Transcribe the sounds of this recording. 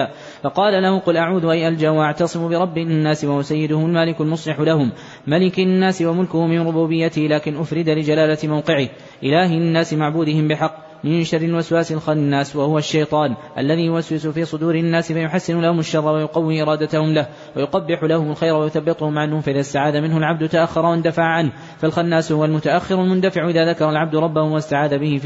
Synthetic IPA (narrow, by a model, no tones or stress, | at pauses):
fɑqɑːlalahʊqʊlʔaʕuːd̪ʊʔajʔald͡ʒaːwaʔaʕt̪ɑsˤɨmʊbɪɾˤɑbːinːaːswahʊwasajːɪd̪ʊhʊʊlmaːlɪkalmʊsˤlɪħʊlahʊmː | alɪknːaːsɪwamʊlkʊhʊmɪmɾʊbuːbɪjːat̪ɪhlaːkɪnʔʊfɾɪd̪alɪd͡ʒalaːlat̪mawqɪʕɪh | ʔɪlaːhɪnːaːsɪmaʕbuːd̪ɪhɪmbɪħɑqː | mɪnʃɑrːɪlwaswaːsɪlɪnːaːswahʊwaʃːajt̪ˤɑːnʔalːaðiːjʊwaswɪsʊfiːsˤʊd̪uːɾɪnːaːsɪfajʊħasːɪnʊlahʊmaʃːɑrˤːɑwajʊqɑwːiːʔɪɾˤɑːd̪at̪ahʊmlah | wajʊqɑbːɪħʊlahʊmʊlxajɾwajʊθabːɪt̪ˤʊhʊmʕanhʊmfaʔɪðaːst̪aʕaːd̪amɪnhʊlʕab̚d̪ʊt̪aʔaxːɑɾˤɑwand̪afaʕaʕanh | falxɑnːaːshʊwalmʊt̪aʔaxːɪɾalmʊnd̪afɪʕʊʔɪðaːðakɑɾˤɑlʕab̚d̪ʊɾˤɑbːahʊmwast̪aʕaːd̪abɪhɪ